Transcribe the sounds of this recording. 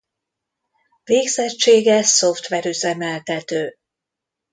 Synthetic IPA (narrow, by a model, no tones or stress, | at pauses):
veːɡz̥ɛt͡ʃːeːɡɛso̞ft̪ʋɛɾyzɛmɛlt̪ɛt̪øː